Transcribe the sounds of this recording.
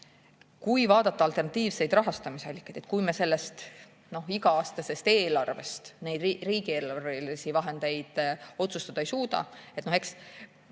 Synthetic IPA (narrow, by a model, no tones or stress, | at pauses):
kujvɑːd̪̥ɑt̪ːɑɑlt̪e̞rnɑt̪ːˑiːvse̞jd̪rɑɦɑst̪ɑmiseɑlʲːikːˑɑjd̪̥et̪kujmese̞lːe̞st̪ | no̞hiɡɑɑːst̪ɑse̞st̪e̞ːlɑrve̞st̪ne̞jd̪iriːɡie̞ːlɑrvelisivɑɦe̞nd̪e̞jd̪̥o̞t̪sust̪ɑd̪̥ɑejsuːd̪ɑ̰e̞t̪no̞he̞ks